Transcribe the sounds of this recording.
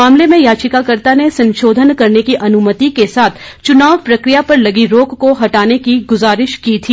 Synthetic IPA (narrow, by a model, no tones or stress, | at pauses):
aːmlemẽjaːt͡ʃɪkakɐɾt̪anesɐ̃nʃoːd̪ʱənkɐɾnekiʔɐnʊmət̪ikesaːt̪ʰ | t͡ʃʊnaːʋpɾɐkɾijapɐɾlɐɡiɾoːkkoɦɐʈaːnekiɡʊzaːɾɪʃkiːt̪ʰiː